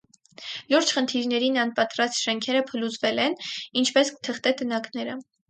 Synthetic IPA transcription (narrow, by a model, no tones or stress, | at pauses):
luɾt͡ʃʰχənt̪ʰiɾnɛɾinɑnpɑt̪ɾɑst̪ʃɛŋkʰɛɾəpʰəlut͡svɛlɛnint͡ʃʰpɛskə̥t̪ʰəχt̪ɛt̪ənɑknɛɾə